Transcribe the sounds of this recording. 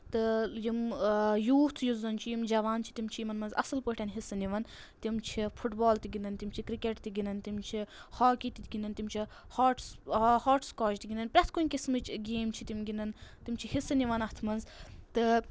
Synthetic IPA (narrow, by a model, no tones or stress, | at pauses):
t̪ɨjimjuːt̪ʰjuzɐnt͡ʃʰijimd͡ʒɐʋaːnt͡ʃʰi̥t̪imt͡ʃʰijimɐnmɐnzɐ̰sɨlpəʈʰʲɐnɦisɨniʋɐn | t̪imt͡ʃʰifʰuʈbɔːlt̪iɡinɐnt̪imt͡ʃʰikɾikeʈt̪iɡinɐnt̪imt͡ʃʰihaːkit̪it̪ʲɡʲinɐnt̪imt͡ʃʰi | haːʈshaːʈskoːt͡ʃt̪iɡinɐnpʲɾʲɐt̪ʰkunʲkismɨt͡ʃɡeːmt͡ʃʰit̪imɡinɐnt̪imt͡ʃʰihisɨniʋɐnɐht̪ʰmɐnzt̪ɨ